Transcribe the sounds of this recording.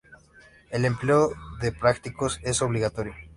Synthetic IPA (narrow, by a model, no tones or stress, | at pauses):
ele̞mpleoðepɾakt̪iko̞se̞so̞βliɣat̪oɾjo